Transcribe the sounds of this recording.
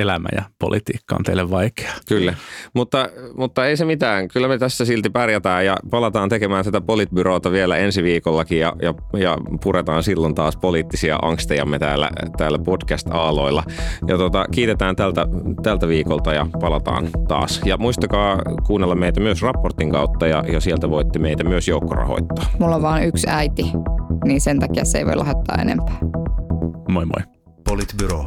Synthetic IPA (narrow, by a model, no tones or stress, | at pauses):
elæmæ̰jɑ̰po̰lʔit̪ḭːkːɑont̪eileʋʋɑike̥ɑ̥kylːæmut̪ːɑmut̪ːɑeisemit̪æːŋkylːæmet̪æsːæsilt̪ipɑrjæt̪æːjjɑpɑlɑt̪ɑːnt̪ekemæːnt̪æt̪æpolit̪̚byɾoːt̪ɑʋielæ̰ensiʋiːkolːɑkijjɑ̰jɑ | jɑ̰purʔet̪ɑːnsilːont̪ɑːspoliːt̪ːisiɑ̰ʔɑ̰ŋkst̪ejɑ̰mːet̪æ̰ːlːæ̰t̪æːlːæpodkæst̪ɑːlo̰ilːɑjɑt̪ot̪ɑkiːt̪et̪æːnt̪ælt̪æt̪ælt̪æʋiːkolt̪ɑjɑpɑlɑt̪ɑ̰ːnt̪ɑ̰ːsjɑmuist̪ɑkɑːkuːnːelːɑmeit̪æmyøsrɑpːort̪ːiŋkɑut̪ːɑjɑjɑsielt̪æʋoit̪ːemeit̪æmyøsjoukːorɑ̰ho̰it̪ːɑ̥ːmulːoʋʋɑːnyksæit̪iniːnsent̪ɑkiɑsḛiʋo̰ilɑ̰het̪ːɑ̰ːḛnḛmpæ̥ː | moimo̰i | polit̪byɾo